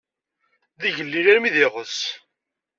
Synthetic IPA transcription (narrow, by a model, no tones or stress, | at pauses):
ðiʝəlːiɾæɾmiðɪʁəs